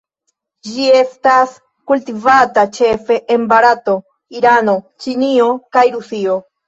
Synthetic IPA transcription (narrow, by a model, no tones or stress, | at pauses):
d͡ʒie̞stas | kultivatat͡ʃe̞fe̞ʔenbaɾato̞ | iɾano̞ | t͡ʃinio̞kajɾusio̞